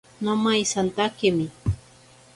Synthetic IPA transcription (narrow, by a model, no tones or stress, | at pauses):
nomajsant̪akɪmɪ